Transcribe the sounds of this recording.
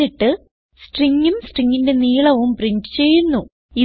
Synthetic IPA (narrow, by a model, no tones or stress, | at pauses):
iʈːɨ | sʈriŋːumsʈriŋːinde̞niːɭɐʋumpriɲt͡ɕɨ̥t͡ɕe̞jːunːu | i